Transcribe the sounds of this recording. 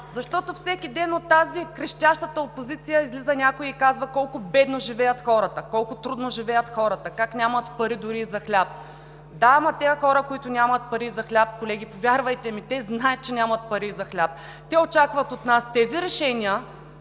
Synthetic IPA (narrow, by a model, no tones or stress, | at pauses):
zɐʃt̪ɔt̪ofsɛkʲid̪ɛnot̪ːazikɾɛʃt̪ʲaʃt̪ət̪əopozit̪sijəizlizənʲakʊjiːkazvɐkɔlˠkʊbɛd̪noʒivɛjət̪xɔɾət̪əkɔlˠkʊt̪ɾud̪noʒivɛjət̪xɔɾət̪əkaknʲamɐt̪pɐɾid̪ʊɾiːzɐxlʲap̚ | d̪aamɐt̪ɛxɔɾəkoit̪ʊnʲamət̪̚pɐɾizɐxlʲap̚kolɛɡ̟ʲipovʲjaɾvɐjt̪ɛmit̪ɛznajət̪̚t͡ʃɛnʲamɐt̪̚pɐɾizɐxlʲap̚ | t̪ɛot͡ʃakvɐt̪ot̪nast̪ɛziɾɛʃɛnʲiə